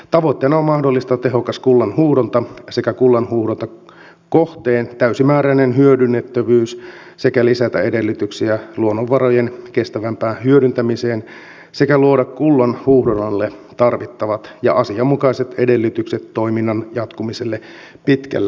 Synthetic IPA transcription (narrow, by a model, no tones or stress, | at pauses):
t̪ɑʋo̞t̪ːeːnɑommɑhdo̞lːist̪ɑt̪e̞ɦo̞kɑskulːɑnhuːdont̪ɑse̞kækulːɑnhuːhdont̪ɑ | koht̪eːnt̪æysimæːɾæinenɦyødynːet̪ːøʋyːs | se̞kælisæt̪æ̰ede̞lːyt̪yksiæluonːoʋːɑrojenke̞st̪æʋæmpæːnhyøɾynt̪æmiseːn | sekæluodɑkkulːɑnhuːhdonɑlːet̪ɑrʋit̪ːɑʋɑt̪jɑ̰ʔɑsiɑmːukɑiset̪ede̞lːyt̪ykset̪ːo̞iminːɑnjɑt̪kumiselːe | pit̪kæ̰lːe